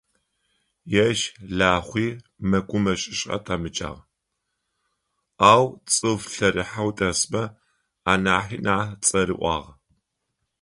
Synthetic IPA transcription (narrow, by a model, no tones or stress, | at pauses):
jɛʃɮaːχʷiː | mɐɡʷʼʊmɐɕʼɪɕʼɐ̰tʰamɨt͡ʃʼa̰ːʁ | aːwt͡sʼɨvɬɐɾiħawtʼɐsmɐ | aːnaːħiːnaːt͡sʼɐɾḭʔʷɑ̰ːʁɐ